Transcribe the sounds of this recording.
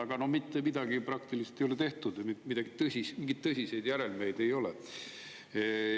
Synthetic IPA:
ɑɡ̥ɑno̞mit̪ːemid̪ɑɡ̥iprɑk̚t̪ilise̥t̪ːejolet̪e̞ht̪ud̪̥mimid̪ɑɡ̥it̪ɤsʲismiŋɡ̥id̪̥̚t̪ɤsʲise̞jd̪jæɾelme̞jd̪e̞jo̞le

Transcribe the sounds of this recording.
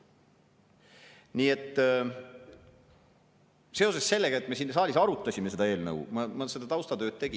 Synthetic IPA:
niːe̞t̪ː | se̞o̞se̞sse̞lːeɡɑet̪ːˑme̞sinːsɑːlʲisɑɾut̪ːˑɑsʲimese̞d̪ɑe̞ːlnɤ̰wmɑmɑse̞d̪̥ɑt̪ɑwst̪ɑt̪ø̞ːd̪̥̚t̪e̞ɡ̥i

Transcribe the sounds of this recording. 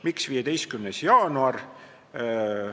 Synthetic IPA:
miksviːjed̪̥e̞jst̪̚kymnesjɑːnuɑr

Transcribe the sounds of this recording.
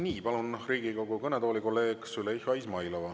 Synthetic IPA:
niːpɑlunriːɡ̥iko̞ɡukɤned̪oːlikolːeːksyleihɑjsmɑjlovɑ

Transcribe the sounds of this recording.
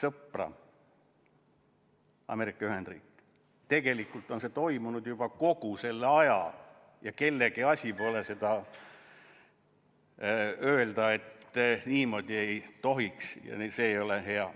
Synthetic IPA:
sɤprɑ̰ | ɑ̰me̞ɾikːˑɑyhe̞nd̪rḭːkː | t̪e̞ɡ̥e̞likːˑult̪ˑo̞nse̞t̪o̞jmunud̪̥jub̥ɑko̞ɡ̥use̞lːeɑjɑ | jɑke̞lːeɡ̥iɑsʲipo̞lese̞d̪̥ɑ | øːld̪ɑe̞t̪ːniːmo̞ːd̪̥ʲie̞jt̪o̞ɦiksjɑ̰nse̞ːjo̞leɦe̞ɑ

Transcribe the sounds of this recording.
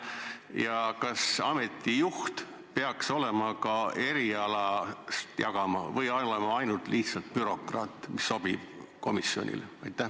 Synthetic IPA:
jɑkɑsɑme̞t̪ːˑijuht̪ | pe̞ɑkso̞le̞mɑkɑe̞ɾiɑlɑst̪jɑɡ̥ɑmɑ̰vɤjɑolemɑɑjnult̪lʔiht̪sɑlt̪̚pyɾo̞krɑ̰ːt̪ːˑmisːo̞b̥ib̥ | ko̞misːio̞̰nʲʔḭlɑjt̪ːˑæh

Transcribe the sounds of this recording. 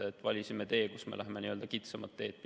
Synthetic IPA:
eet̪ːˑvɑlʲisime̞t̪e̞ːkusmḛlæɦemeniøld̪ɑkit̪sɑmɑt̪ːe̞ːt̪̚p

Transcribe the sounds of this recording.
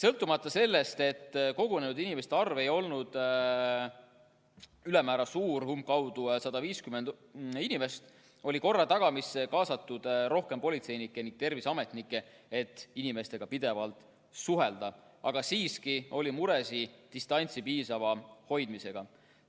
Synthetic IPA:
sɤlt̪ːˑumɑt̪ˑːɑse̞lːe̞st̪e̞t̪ːko̞ɡune̞nud̪inime̞st̪eɑrve̞jo̞lnud̪̥ | ylemæːɾɑsuːrhumkɑwd̪̥usɑd̪̥ɑviːskymend̪ | inime̞st̪ | o̞lʲiko̞rːɑt̪ɑɡ̥ɑmisekɑːsɑt̪ːud̪̥ɾo̞hke̞mpo̞lʲit̪se̞jnikːˑeniŋɡ̥̚t̪e̞rvisɑme̞t̪nikːˑe̞ | et̪ːˑinime̞st̪e̞ɡ̥ɑpid̪̥e̞vɑlt̪ˑ | suɦe̞ld̪̥ɑ | ɑ̰ɡ̥ɑsiːskio̞lʲimuɾe̞sit̪ist̪ɑnʲt̪sipiːsɑvɑho̞jd̪̥mise̞ɡ̥ɑ

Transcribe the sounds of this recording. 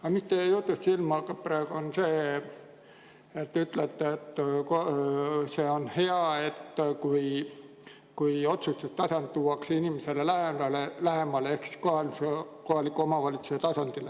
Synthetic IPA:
ɑmist̪eejuht̪ːˑust̪silmɑkɑpræeɡ̥uonse̞ː | et̪ːyt̪let̪ːeet̪ːkose̞ːo̞nhe̞ɑe̞t̪ːkuj | kujo̞t̪sust̪ust̪ɑsɑnt̪t̪ːuːɑksinimese̞lelæheɑlelæɦe̞mɑleehksi̥skoɑlsko̞hɑlikːˑuomɑvɑlʲit̪suset̪ɑsɑnd̪̥ile

